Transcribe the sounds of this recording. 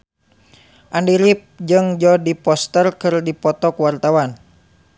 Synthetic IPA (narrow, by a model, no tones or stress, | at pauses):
ʔandiɾip̚d͡ʒɨŋd͡ʒɔdipɔst̪ərkɨrdipɔt̪ɔkuwart̪awan